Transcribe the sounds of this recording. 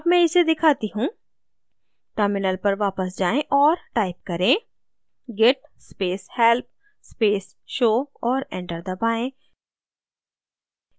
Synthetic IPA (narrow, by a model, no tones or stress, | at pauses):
ɐbmɛ̃ɪsed̪ɪkʰaːt̪iɦũː | ʈəɾmɪnəlpɐɾʋaːpəsd͡ʒaːẽʔɔːɾʈaːɪp̚kɐɾẽ | ɡɛʈspeːshɛlp̚ | speːs | ʃoːɔːɾɛ̃ɳʈəɾd̪ɐbaːẽ